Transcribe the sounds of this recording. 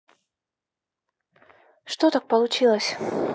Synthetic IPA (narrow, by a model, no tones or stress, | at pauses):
ʂt̪ot̪ak̚pəlˠʊt͡ɕilˠəsʲ